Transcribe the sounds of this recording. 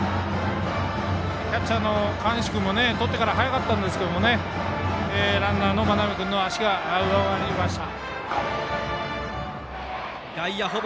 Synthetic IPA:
kʲat͡ɕːanːo̞kãɰ̃ɕi̥kɯ̟mo̞ne̞t̪o̞t̪ːe̞kaɾaɦajakat̪ːãnd̪e̞sɨ̥ke̞d̪omo̞ne | eːɾãnːano̞manabekɯ̟̃nːo̞aɕiɡaːɯbaaɾimaɕt̪a | jaiaɦo

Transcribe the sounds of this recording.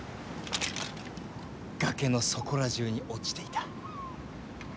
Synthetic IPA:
ɡ̥ake̞no̞so̞ko̞ɾaʑɨːɲ̟iʔo̞t͡ɕi̥t̪e̞it̪ḁ

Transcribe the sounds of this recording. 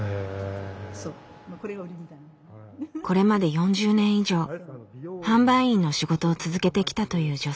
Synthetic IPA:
ko̞ɾe̞mad̪e̞jõ̞ɲ̟d͡ʑɨːnẽ̞ɰ̃iʑo̞ː | hãmbãĩnːo̞ɕiɡo̞t̪o̞ːt͡sɨzɨke̞t̪e̞kʲi̥t̪at̪o̞jɯ̟ːd͡ʑo̞

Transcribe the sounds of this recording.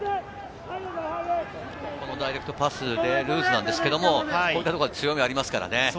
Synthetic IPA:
ko̞no̞d̪aiɾek̟t̪o̞pasɨd̪e̞ɾɯ̟ːzɨnãnd̪e̞sɨ̥ke̞d̪o̞mo̞o̞it̪ːat̪okod̪et͡sɨjo̞mʲiaɾʲimasɨ̥kaɾa̰ne̞

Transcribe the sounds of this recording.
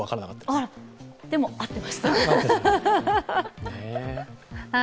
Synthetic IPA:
akaɾanakat̪ːaɾaɾd̪̥e̞mo̞at̪ːe̞maɕi̥t̪a | a

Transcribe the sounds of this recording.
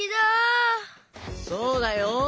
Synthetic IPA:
id̪o | soːd̪ajo

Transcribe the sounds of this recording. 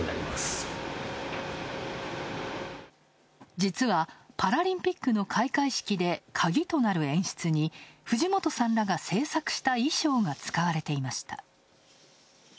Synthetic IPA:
na̰ɾʲḭmasɨ̥ | d͡ʑit͡sɨβapaɾaɾʲĩmpʲikːɯ̟no̞kʰaikaiɕi̥kʲid̪e̞kʰaɡʲit̪o̞naɾɯ̟ẽ̞ɰ̃ɕi̥t͡sɨɲ̟iɸɯ̟ʑimo̞t̪o̞sãnɾaɡase̞ːsakɯ̟̥ɕi̥t̪aiɕo̞ːɡat͡sɨ̥kaβaɾe̞t̪e̞imaɕi̥t̪a̰

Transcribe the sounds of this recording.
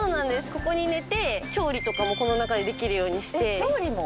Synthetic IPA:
oːnãnd̪e̞sɨ̥ko̞ko̞ɲ̟ine̞t̪e̞t͡ɕo̞ːɾʲit̪o̞kamo̞ko̞no̞nakad̪e̞d̪e̞kʲiɾɯ̟jo̞ːɲ̟iɕi̥t̪e̞oːɾʲimo

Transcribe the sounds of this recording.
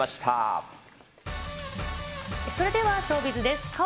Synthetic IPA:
asi̥t̪ʰa̰p̚ | eso̞ɾe̞d̪e̞βaɕo̞ːbʲit͡sɨd̪e̞sɨ̥ka

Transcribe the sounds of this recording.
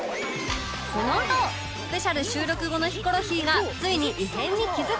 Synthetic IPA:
sonono | sɨ̥pe̞ɕaɾɯ̟ɕɨːɾo̞kɯ̟ɡo̞no̞çi̥ko̞ɾo̞çiːɡat͡sɨiɲ̟iʔiɦẽ̞ɲ̟ːikʲizɨ

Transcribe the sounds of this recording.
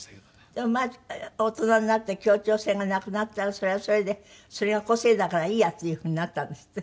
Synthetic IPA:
d̪̥emaot̪onaninat̪ːekʲjoːt͡ʃʲoːsẽŋɡanakɯnat̪ːaɾasoɾeasoɾed̪esoɾeɡakoseːd̪akaɾaiːjat̪ːejɯhɯɲ̟inat̪ːand̪esi̥t̪ːe

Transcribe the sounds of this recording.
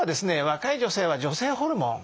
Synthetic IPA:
ad̪e̞sɨneβakaid͡ʑo̞se̞ːβad͡ʑo̞se̞ːɦo̞ɾɯ̟mõ̰ŋ

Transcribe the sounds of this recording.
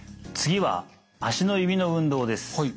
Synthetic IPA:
t͡sɨɡʲiβa̰ | aɕino̞ibʲino̞ɯ̟̃nd̪o̞ːd̪e̞sɨ̥

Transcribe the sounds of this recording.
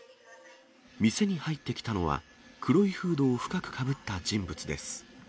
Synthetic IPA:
mʲise̞ɲ̟ihait̪ːe̞kʲi̥t̪ano̞βa̰ | kʰɯ̟ɾo̞ihɯ̟ːd̪o̞ːɸɯ̟̥kakɯ̟̥kʰabɯ̟t̪ːad͡ʑĩmbɯ̟t͡sɨd̪e̞sɨ̥

